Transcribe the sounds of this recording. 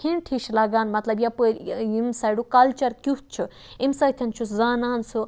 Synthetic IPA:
kʰinʈʰiːʃlaːɡaːnmɐt̪lɐbjapuɾimsaːjɽukɐlt͡ʃɐɾkʲuht̪̚t͡ʃʰu | imsaːt̪ʰɐnt͡ʃʰuzaːnaːnsu

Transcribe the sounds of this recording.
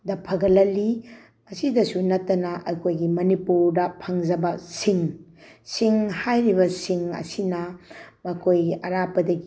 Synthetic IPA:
dɐpʰɐɡɐlɐlːi | mɐsidɐsunɐtːɐnɐʔɐkʰojɡimɐnipuɾdɐpʰɐŋd͡ʒɐbɐsiŋsiŋhajɾibɐsiŋɐ̰sinɐmɐkʰojɐɾapɐdɐɡi

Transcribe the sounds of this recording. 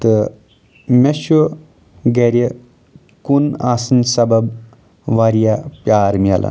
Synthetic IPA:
t̪ɨ | mʲeʃo | ɡɐɾʲjə | kunaːsɨnsɐbɐb | ʋaɾijapjaːɾmɐlɐ̰

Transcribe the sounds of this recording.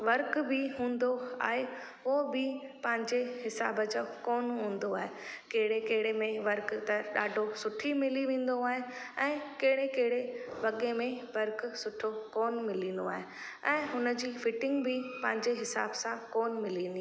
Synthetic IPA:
ʋɐɾkbɪɦũːn̆d̪oa̰ːɦe | ʊobɪpɐ̃ɦɪ̃ɲd͡ʑeɦɪsa̰ːbəd͡ʑakoːnɦũːn̆d̪oaːɦekɐɦɪɽekɐɦɪɽemẽʋɐɾkt̪ɐɗaːɖʱosʊʈʰimɪliʋẽːn̆d̪oaːɦeɛ̃ːkɐɦɪɽekɐɦɪɽeʋɐɠemẽʋɐɾksʊʈʰokɔːnmɪlĩːn̆d̪oaːɦe | ɛ̃ːɦʊnəd͡ʑiːfɪʈɪ̃ŋɡbɪpɐ̃ɦɪ̃ɲd͡ʑeɦɪsa̰ːbsãkɔːnmɪlĩːnd̪i

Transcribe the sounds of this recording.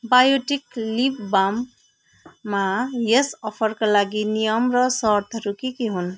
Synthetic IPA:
bajoʈiklibbamː | ajesʌpʰʌɾkalaɡinijʌmɾʌsʌɾt̪ʰʌɾukikiɦun

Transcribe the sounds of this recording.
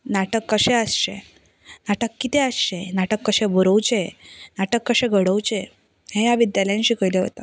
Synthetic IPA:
naʈəkːəɕẽəsɕe | naʈəkːit̪ẽəsɕenaʈəkːəɕẽboɾəwt͡ɕenaʈəkːəɕẽɡʱəɽəwt͡ɕe | ɦẽjaʋid̪jaləjãnɕiːkəjleɦo̰t̪a̰

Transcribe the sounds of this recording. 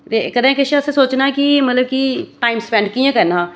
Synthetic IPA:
ɾekɐd̪ẽːkəʃasesoːt͡ʃnaɛkimɐt̪ləb̚kiʈaːɪmspɛ̃ɳɖkiẽkɐɾnaː

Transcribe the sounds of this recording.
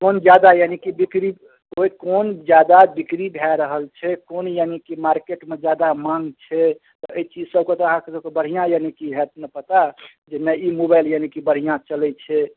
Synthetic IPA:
kond͡ʒjad̪ajanikibikɾi | oikond͡ʒjad̪abikɾibʱɛɾəɦəlt͡ʃʰɛkonjanikimaɾkeʈmed͡ʒjad̪amãŋɡt͡ʃʰɛ | t̪ɔəit͡ʃid͡ʒsəbket̪ɔəɦãkesəbkebəɽ̤ijãjanikiɦɛt̪̚nəpət̪a | d͡ʒenɛimobajljanikibəɽ̤ijãt͡ʃəlɛt͡ʃʰɛ

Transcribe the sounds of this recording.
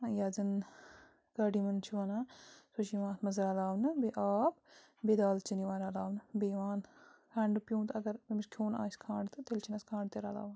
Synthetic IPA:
jaːd͡zɐn | ɡɐɖimɐnt͡ʃʰiʋɐnaːsut͡ʃiʋãːt̪ʰmɐzɾaːlaːʋnɨbeʔaːb | bed̪aːlt͡ʃiniʋaːɾaːlaːʋnɨbeʋaːnkʰaːɳɖɨpʲjũːt̪ɐɡɐɾɐmit͡ʃʲkʲʰoːna̰ːskʰãːɳɖt̪ɨt̪elt͡ʃʰinɐskʰãːɳɖt̪eɾaːla̰ːʋn

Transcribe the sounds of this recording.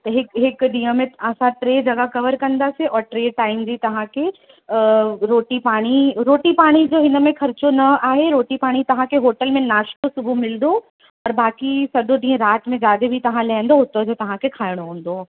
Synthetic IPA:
t̪ɐɦɪkɦɪkd̪ĩːə̃mẽəsãʈɾeːd͡ʑɐɡakɐʋəɾkɐ̃nd̪aseʔɔːɾʈɾeːʈaːɪmd͡ʑit̪ɐʋ̤ãkʰe | ɾoːʈipaːɽ̃iɾoːʈipaːɽ̃id͡ʑoːɦɪnə̆mẽxʰɐɾɪt͡ɕonɐaːɦeɾoːʈipaːɽ̃it̪ɐʋ̤ãkʰeɦoːʈəlmẽnaːʃkosʊbʱumɪlnd̪o | ɔːɾbaːkisɐdʱõd͡ʑiːə̃ɾaːt̪mẽd͡ʑaːd̪ebʱit̪ɐʋ̤ãlaɪ̃n̆d̪oɦʊt̪od͡ʑoːt̪ɐʋ̤ãkʰekʰaːɪɽ̃oɦũːn̆d̪o

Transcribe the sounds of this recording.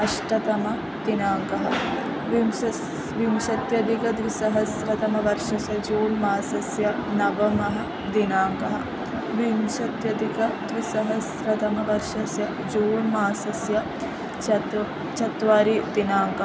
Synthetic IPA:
ɐʃʈɐt̪ɐmɐ | d̪inaːŋkɐɦɐ̆ | ʋimɐ | ʋimʃɐt̪jɐd̪ikɐd̪ʋisɐɦɐsɾɐt̪ɐmɐʋɐɾʂɐsjɐd͡ʒoːnmaːsɐsjɐnɐʋɐmɐɦɐ | d̪inaːŋkɐɦɐ̰̆ | ʋimʃɐt̪jɐd̪ikɐd̪ʋisɐɦɐsɾɐt̪ɐmɐʋɐɾʂɐsjɐ | d͡ʒoːnmaːsɐsjɐ | t͡ʃɐt̪ | t͡ʃɐt̪ʋaːɾid̪inaːŋkɐ

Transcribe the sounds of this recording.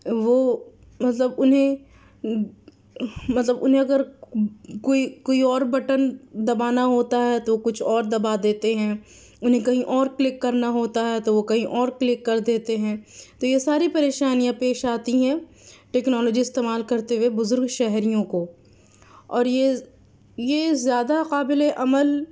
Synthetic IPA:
ʋoː | mɐt̪ləbʊnɦẽ | mɐt̪ləbʊnɦẽɐɡəɾ | koːikoːiɔːɾbɐʈənd̪ɐbaːnaɦoːt̪aɦɛt̪okʊt͡ʃʰɔːɾd̪ɐbad̪eːt̪eɦɛ̃ː | ʊnɦẽkɐɦĩʔɔːɾklɪkːɐɾnaɦoːt̪aɦɛt̪oʋokɐɦĩʔɔːɾklɪkːɐɾd̪eːt̪eɦɛ̃ːt̪ojesaːɾipɐɾeːʃaːnijãpeːʃaːt̪iɦɛ̃ | ʈɛːknɔːlɔːd͡ʒiɪst̪eːmaːlkɐɾt̪ewebʊzʊɾɡʃɛɦɾijõko | ɔːɾje | jezjaːd̪aqaːbɪleʔɐməl

